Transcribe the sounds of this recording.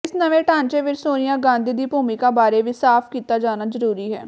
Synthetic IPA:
ɪsnəʋẽːʈãːnt͡ʃeːʋɪt͡ʃsoːnɪjãːɡãːnd̪iːd̪iːpuːmiːkaːbaːɾeːʋiːsaːpʰkiːt̪aːd͡ʒaːnaːzəɾuːɾiːɦɛ̰ː

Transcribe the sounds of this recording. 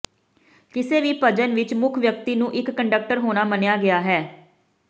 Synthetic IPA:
kɪseːʋiːpəd͡ʒənʋɪt͡ʃmʊkʰʋjək̚t̪iːnũːʔɪkːəɳɖək̚ʈəɾɦoːnaːmənejaːɡɪaːɦɛː

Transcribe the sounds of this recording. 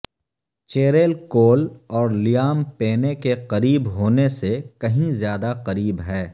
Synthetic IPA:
t͡ʃeːɾeːlkoːlɔːɾlɪjaːmpeːnekeqɐɾiːbɦoːnesekɐɦĩzjaːd̪aqɐɾiːbɦɛː

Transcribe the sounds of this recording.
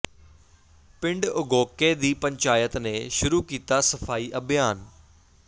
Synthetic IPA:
pɪ̃ɳɖʊɡoːkeːd̪iːpəɲt͡ʃaːjət̪neːʃʊɾuːkiːt̪aːsəfʰaːiːʔəbʱjaːn

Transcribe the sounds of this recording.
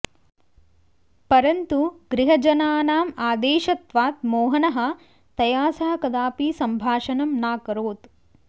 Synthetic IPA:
pɐɾɐnt̪uɡɾiɦɐd͡ʒɐnaːnaːmaːd̪eːʃɐt̪ʋaːt̪̚moːɦɐnɐɦɐ̆ | t̪ɐjaːsɐɦɐ̆kɐd̪aːpiːsɐmbʱaːʃɐnɐmnaːkɐɾoːt̪

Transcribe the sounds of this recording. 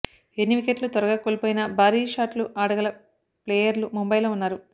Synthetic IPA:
enːiʋikeʈlut̪ʋɐɾɐɡakolipoːjinɐbʱaːɾiːʂaːʈluʔaːɽɐɡɐlɐ | pleːjɐɾlumumbɐjloːunːaːɾu

